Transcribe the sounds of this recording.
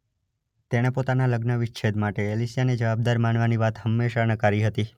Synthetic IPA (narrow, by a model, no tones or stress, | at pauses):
t̪eɽ̃epot̪analəɡnəʋɪʃt͡ʃʰed̪maʈeːlisijaned͡ʒəʋab̚d̪aɾmaɳʋaniʋat̪ɦəmːeʃanəkaɾiɦət̪i